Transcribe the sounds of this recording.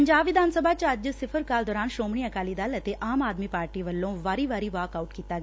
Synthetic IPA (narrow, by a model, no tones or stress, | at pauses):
əɲd͡ʒaːbʋɪd̪ʱaːnsəbʱaːt͡ʃɐd͡ʒsɪpʰəɾkaːld̪ɔːɾaːnʃoːmɳ̃iːɐkaːliːd̪aːlət̪eʔaːmaːd̪miːpaːɾʈiːʋəlːõːʋaːɾiːʋaːɾiːʋaːkaːuʈkiːt̪aːɡː